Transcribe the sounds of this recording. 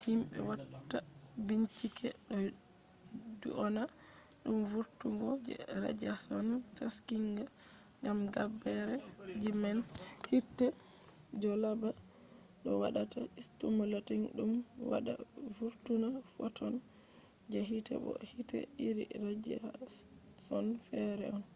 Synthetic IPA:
himɓɛ̰wattːa | biɲt͡ʃikʰɛɗɔ | dṵʔɔna | ɗumvuɾtuŋɡɔd͡ʒɛ̰ɾa̰d͡ʒasɔnataskiŋɡa | ŋɡamɡabɛɾɛd͡ʒimanhitːɛ | d͡ʒɔlaba | ɗɔwaɗataistumɔlatiŋɗumwa̰ɗa̰vuɾtunafɔtʰɔn | d͡ʒɛɦitɛ̰bɔ̰hitɛ̰iɾḭɾad͡ʒa | sɔnfɛɾɛ̰ɔn

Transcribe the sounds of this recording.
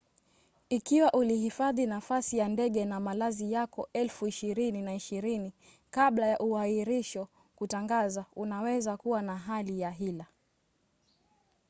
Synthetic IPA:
ikiwaʔulihifaðinafasijandɛɠɛnamalazijakɔɛlfuiʃiɾininaiʃiɾini | kaɓlajaʔuaiɾiʃɔ | kutaŋɡazaunawɛzakuwanaɦalijaɦila

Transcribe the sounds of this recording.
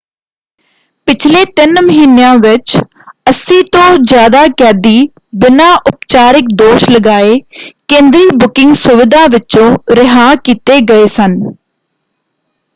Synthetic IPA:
pɪt͡ʃʰleːt̪ɪnməɦiːnejãːʋɪt͡ʃ | əsĩːt̪õːd͡ʒjaːd̪aːkɛːd̪iː | bɪnaːʔʊpt͡ʃaːɾɪk̚d̪oːʃləɡaːeːkẽːnd̪ɾiːbʊkɪŋɡsʊʋɪd̪aːʋɪt͡ʃõːɾɪɦaːkiːt̪eːɡəeːsən

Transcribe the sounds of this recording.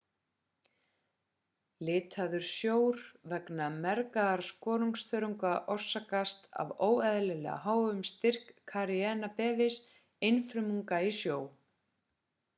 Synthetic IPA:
lɪːt̪ʰaðʏɾ̥sjoːwɾvɛknamɛɾkaðaɾ̥skɔːɾuŋksθœɾʏŋkaʔɔr̥sakast̪a̰voːwɛðlɛlɛ̰ɣa̰ɦaːwʏmst̪ɪr̥kʰːaɾiɛːnapɛːvɪs | ejnfɾʏmuŋkaisjoːw

